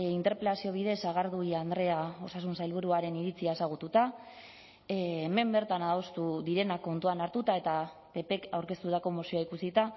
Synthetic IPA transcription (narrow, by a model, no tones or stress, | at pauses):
int̪eɾpɾet̪asio̞β̞iðe̞saɣ̞aɾðuiand̪ɾe̞ao̞sasunsajlβuɾuaɾe̞niɾit͡siae̞saɣ̞ut̪ut̪a | me̞mbe̞ɾt̪anaðost̪uðiɾe̞nakːo̞nt̪uanaɾt̪ut̪ae̞t̪a | pe̞pe̞kawɾke̞st̪ut̪ako̞mosioaikusit̪a